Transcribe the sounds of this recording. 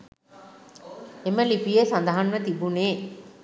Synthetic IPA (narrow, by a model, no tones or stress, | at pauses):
eməlipijesand̪ɐɦanumət̪ibuneː